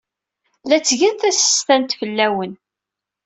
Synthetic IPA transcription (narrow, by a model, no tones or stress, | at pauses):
læt͡sːʝænθæsə̥st̪ænt̪fəlːæwən